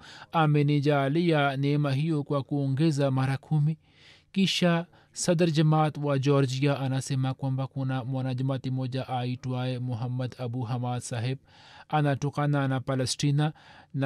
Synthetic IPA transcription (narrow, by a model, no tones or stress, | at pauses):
amenid͡ʒaːlijanemaɦijokwakuːŋɡezamɐɾakʰumi | kiʃa | sɐd̪ɐɾd͡ʒɐmaːt̪wad͡ʒoːɾd͡ʒijaʔɐnasemakwɐmbakunamonad͡ʒɐmaːt̪imod͡ʒaʔaiʈuwaːemʊɦɐmːɐd̪ɐbuɦɐmaːd̪saɦeb̚ɐnaʈukanaːnapɐlɐsʈinan